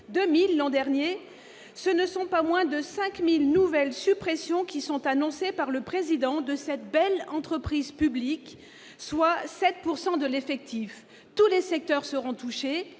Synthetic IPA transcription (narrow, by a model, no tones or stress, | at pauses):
d̪ømilːɑ̃d̪ɛʁnje | sənəsɔ̃pamwɛ̃d̪əsɛ̃kmilnuvɛlsypχesjɔ̃kʲisɔ̃t̪anɔ̃sepaʁləpχezid̪ɑ̃d̪əsɛt̪bɛlɑ̃t̪χəpχizpyblik | swasɛt̪̚puʁsɑ̃d̪əlefɛk̚t̪if | t̪ulesɛk̚t̪œʁsəʁɔ̃t̪uʃe